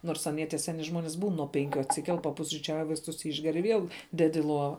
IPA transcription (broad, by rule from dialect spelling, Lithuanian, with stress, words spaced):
ˈnoːrs ɐˈnʲiɛ tʲiɛ ˈsʲæːnʲɪ ˈʒmoːnʲɪs buːn nuɔ ˈpʲɛŋʲkʲʊ ɐtʲsʲɪˈkʲɛlˠ pɐpʊsʲrʲiːˈt͡ʃʲɛʊj ʋɐɪsˈtʊs ˈɪʒʲɡʲɛr ɪ ˈʋʲiɛlˠ ˈdʲɛt ɪ ˈlˠoːʋɐ